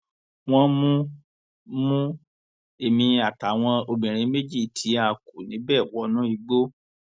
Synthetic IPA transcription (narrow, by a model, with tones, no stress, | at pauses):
w̃ɔ̃˦mũ˦ | mũ˦ | e˨mĩ˧a˨ta˨w̃ɔ̃˧o˧bĩ˨ɾ̃ĩ˧me˦d͡ʒi˦˨tʰi˨˦a˧˨ku˨nĩ˨˦bɛ˦˨wɔ˨˦nũ˨˦i˧ɡ͡bo˦